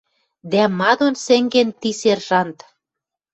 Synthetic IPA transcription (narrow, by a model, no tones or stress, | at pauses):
d̪æmɑd̪onsĕŋɡent̪iserʒɑnt̪